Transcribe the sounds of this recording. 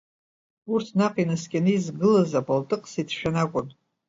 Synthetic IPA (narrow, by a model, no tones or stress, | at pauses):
urtʰnaqʼinaskʲʼanɨizɡɨlazapʼaltʼɨqʼsitʰʃᶣanakʷʼʊn